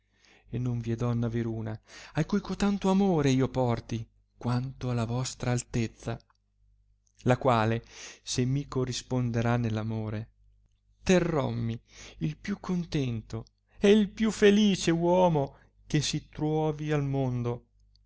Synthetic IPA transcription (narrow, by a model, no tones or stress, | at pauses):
enːoɱvied̪ɔnːaveɾuːnaajkujkot̪ant̪oamoːɾeiːopɔrt̪i | kwant̪oalːavɔst̪ɾaːlt̪et̪sːa | lakwaːlesemːikorːispond̪eɾanːelːamoːɾe | t̪erːɔ̰mːiilpjukʰːont̪ɛnt̪o | eilpjufeliːt͡ʃewɔːmo | k̟esit̪ɾwɔːvialmond̪o